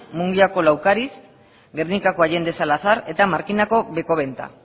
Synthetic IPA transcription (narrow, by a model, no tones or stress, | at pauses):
muŋɡiako̞lawkaɾis | ɡernikako̞aje̞nd̪e̞salaθaɾe̞t̪amaɾkinako̞βe̞ko̞β̞e̞nt̪a̰